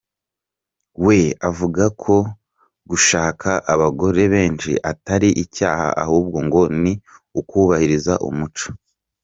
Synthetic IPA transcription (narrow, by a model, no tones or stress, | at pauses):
we̞avuɡakʰo̞ | ɡuʃaːkʰaʔaβaɡo̞ɾe̞βe̞ːnʃḭʔataɾiʔicaːha̰ʔa̰huːb̚ɡo̞ŋɡo̞niukuβahiɾiza̰ʔṵmut͡ʃḁ